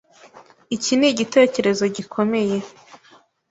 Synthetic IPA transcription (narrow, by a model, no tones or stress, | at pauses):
iciniɟite̞ːce̞ɾe̞zo̞ɟikʰo̞me̞je̞